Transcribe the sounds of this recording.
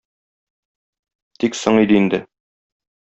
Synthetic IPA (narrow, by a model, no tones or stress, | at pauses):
t̪iksoɴid̪ɘind̪ɘ